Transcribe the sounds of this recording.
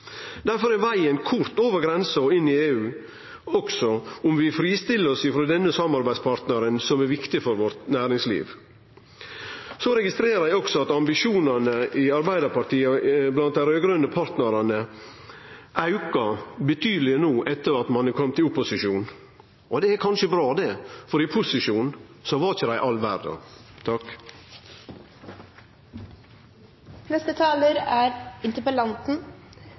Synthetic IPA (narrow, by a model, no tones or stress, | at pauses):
d̪æɾfɔɾɛʋæɪənkʰʊɾt̪oːʋəɾɡɾɛnsɔɪnːɪeːʉː | ɔɡsɔʊmʋɪfɾiːst̪ɪlːəɾɔsɪfɾoːd̪ɛnːəsɑmːɑɾbæɪd̪spʰɑɾt̪nəɾənsɔmæɾʋɪkt̪ɪfɔɾʋɔɾt̪næːɾɪŋslḭːʋ | sɔɾɛɡɪst̪ɾeːɾəɾæɪɔksɔɑt̪ɑmbɪʂuːnɑnəʔɪɑɾbæɪd̪əɾpɑɾt̪iːɑblɑnt̪̚d̪æɪɾøːɡɾœnːəpʰɑɾt̪nəɾɑnə | ʔɑʉkɑbət̪ʰyːd̪əlɪənuːʔɛt̪ːəɾɑt̪mɑnkʰɔmːt̪ʰɪlʊpːʊsɪʃuːn | ɔd̪ɛæɾkʰɑnʃəbɾɑːd̪ɛfɔɾɪpʰʊsɪʂuːnsɔʋɑɾɪçəd̪æɪʔɑlʋæ̰ɾd̪ɑ̰t̪ʰɑk | nɛst̪ət̪ʰɑːləɾæɾɪnt̪əpəlɑnt̪n̩